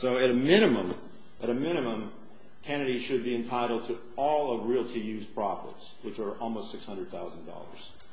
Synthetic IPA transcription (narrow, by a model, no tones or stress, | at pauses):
soʊɨɾɨmɪɾ̃ɨmə̃m | ʔɨɾɨmɪ̃ñɨmə̃m | kʰɛnɨɾiʃɨd̚biɨ̃ntʰaɪɾl̩ˠd̚tʰɨ | ɔlˠʌvɹilˠtʰɨjʉz̥pʰɹ̥ɑfɨ̰tswɨt͡ʃə˞ʔɔlˠmoʊstsɪkshʌ̃ndɹəd̪̚θaʊzn̩dɔ̰lˠə̰˞z̥